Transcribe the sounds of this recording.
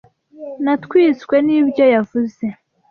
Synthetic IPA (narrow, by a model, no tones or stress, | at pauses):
natkwiːskwe̞nibjo̞javuze̞